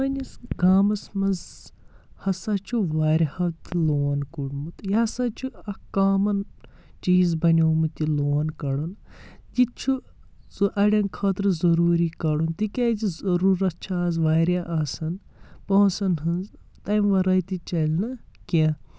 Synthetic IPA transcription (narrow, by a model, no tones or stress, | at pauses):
mɐnʲisɡaːmɐsmɐz | hɐsat͡ʃʰuʋaːɾʲhɐt̪iloːnkuɽmut̪jasat͡ʃʰuɐkaːmɐn | t͡ʃiːzbɐnʲoːmɨt̪iloːnkɐɽun | d͡ʒit͡ʃʰu | zʔɐɽʲɐnkʰɐːt̪ɾɨzɐɾuːɾikɐɽunt̪ikʲazizɐɾuːɾɐtt͡ʃʰazʋaːɾʲaʔaːsɐnpɐsɐnɦɨnz | t̪ɐjmʋɐɾɐt̪it͡ʃɐlʲnɨka